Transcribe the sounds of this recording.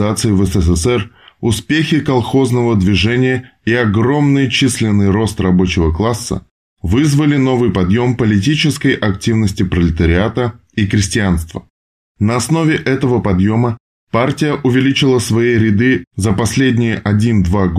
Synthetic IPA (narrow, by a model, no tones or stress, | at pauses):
at̪sɨɪvəsɛsɛsɛrʊspʲexʲɪkɐlˠxo̞znəvəd̪vʲɪʐɛnʲɪjəiɐɡɾo̞mnɨjt͡ɕisʲlʲɪnːɨjro̞st̪rɐbo̞t͡ɕɪvəklˠasːə̰ | vɨzvəlʲɪno̞vɨjpɐd̪jo̞mpəlʲɪt̬ʲit͡ɕɪskəjʔɐk̚tʲivnəsʲtʲɪpɾəlʲɪt̪əɾʲɪat̪ə | ikɾʲɪsʲtʲɪanst̪və | nəɐsno̞vʲɪʔɛt̪əvəpɐd̪jo̞mə | partʲɪjəʔʊvʲɪlʲit͡ɕɪlˠəsvɐjijɾʲɪd̪ɨzəpɐsʲlʲedʲnʲɪjəʔɐdʲind̪vaɡ